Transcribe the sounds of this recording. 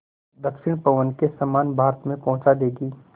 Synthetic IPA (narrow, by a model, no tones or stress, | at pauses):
d̪əkʃɪɽ̃pɐʋənkesɐmaːnbʱaːɾət̪mẽpɐ̃ɦʊ̃t͡ʃad̪eːɡiː